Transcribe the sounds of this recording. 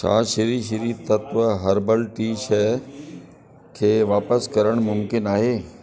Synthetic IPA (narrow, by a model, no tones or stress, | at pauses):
ʃa̰ːʃɪɾiːʃiɾiːt̪ɐt̪ʋəɦəɾbəlʈiːʃə | kʰeːʋaːpəskɐɾəɽ̃mʊmkɪnaːɦeː